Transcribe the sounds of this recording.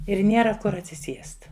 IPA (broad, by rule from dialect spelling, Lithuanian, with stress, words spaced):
ɪr ˈnʲiɛrɐ ˈkʊr ɐtʲsʲɪˈsʲiɛst